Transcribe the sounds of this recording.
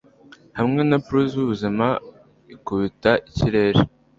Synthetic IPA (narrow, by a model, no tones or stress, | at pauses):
hamŋe̞napɾuzuβuzima | ikuβitaʔiciɾe̞ːɾe